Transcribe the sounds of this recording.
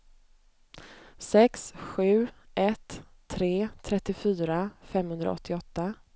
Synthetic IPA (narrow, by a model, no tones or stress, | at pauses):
sɛksɧʉ̟ːʔɛt̪ʰːɾeːt̪ʰɾɛt̪ːɪfyːɾafɛmhɵnd̪ɾa̰ɔ̰t̪ʰːɪɔt̪ːa